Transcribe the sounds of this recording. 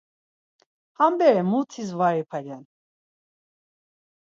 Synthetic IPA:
hambɛɾɛmut̪ʰisvaɾipʰaɡɛn

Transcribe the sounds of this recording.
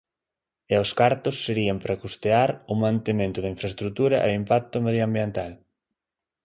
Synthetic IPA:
eoskaɾt̪ʊsːeɾiampɾakust̪eaɾʊmãnt̪emẽnt̪ʊðeĩɱfɾest̪ɾut̪uɾɐʔeimpak̚t̪ʊmeðjoambjent̪al

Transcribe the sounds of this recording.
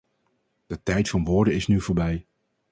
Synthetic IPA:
d̥ətɛjtfɑnʋʊːɹdənɪsnyvʊːɹbɛj

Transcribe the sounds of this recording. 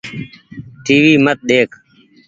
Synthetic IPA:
ʈiːʋiːmət̪̚ɗ̪eːkʰ

